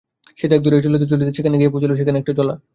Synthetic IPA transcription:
ʃet̪ɛk̚d̪uɾeʈilet̪̬et͡ɕolit̪et͡ɕʰekʰaneɡijepot͡ɕaloʃ̬ekʰaneɛkʈad͡ʑɔla̰

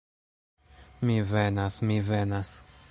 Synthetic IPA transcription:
mivenasmivenas

